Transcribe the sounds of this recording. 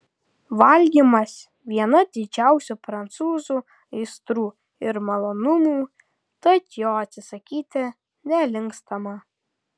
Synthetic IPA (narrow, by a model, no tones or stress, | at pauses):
ʋɐlʲɡʲiːmɐs | ʋʲiɛnɐd̪ʲɪd͡ʒʲæˑʊsʲupɾɐnt̪suːzuː | ɪɪst̪ɾuː | ɪɾmɐlˠoːnʊmuː | t̪ɐt̪joːɐt̪ʲsʲɪsɐkʲiːt̪ʲɪ | nʲɛlʲɪŋkst̪ɐmɐ